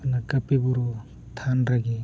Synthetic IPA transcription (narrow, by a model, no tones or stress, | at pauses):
nakɐpebuɾɔ | t̪ʰanɾaɡe